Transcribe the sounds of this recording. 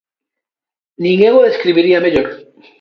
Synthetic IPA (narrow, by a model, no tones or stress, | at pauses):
nĩŋeɣoðeskɾiβiɾiameʎoɾ